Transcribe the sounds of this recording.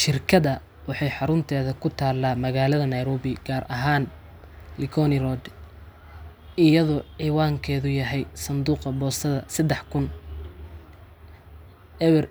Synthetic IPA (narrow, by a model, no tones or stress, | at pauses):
ʃɪrkʰɐðɐ | wɑħɑjħɑɾʊnt̪ʰɛːðɐkʰʊt̪ʰaːlːaːmɐɣaːlɐðɐnɐjɾɔːβɪɡ̥aːɾʔɐɦaːn | lɪkʰɔnɪɾɔd̪ | ʔɪjɐðɔʕiːwaːŋkʰɛːðʊjɐɦɛjsɐnd̪uːqɐbɔːsɐðɐsɐd̪ɛħkʰʊn | ʔɛβɛr